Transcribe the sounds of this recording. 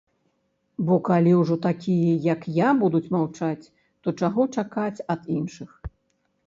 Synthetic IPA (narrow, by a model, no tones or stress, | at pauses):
bɔkalʲiwʐɔt̪akʲijɛjɐkjabud̪ut͡sʲmawt͡ʂat͡sʲ | t̪ɔt͡ʂaɣɔt͡ʂakat͡sʲɐd̪inʂɨx